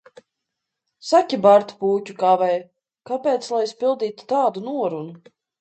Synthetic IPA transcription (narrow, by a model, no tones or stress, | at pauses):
sakʲibaɾt̪u̥puːcukavɛj | kapʲɛːt̪slˠajspʲilˠd̪iːt̪u̥t̪aːd̪unuɔɾunu